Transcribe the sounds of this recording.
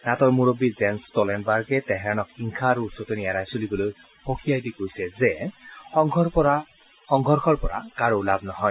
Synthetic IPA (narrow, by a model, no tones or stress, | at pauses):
natɔɹmuɹobizɛnstɔlɛndbaɹɡɛtɛɦɛɹanɔkhiŋkʰaɹuːsɔtenijaɾajsolibɔloj | pokʰijajdikojsɛzɛɔŋʱɔpɔa | xɔŋɡʱɔɹxʰɔɹpɔɹa̰kaɹolabnɔɦɔj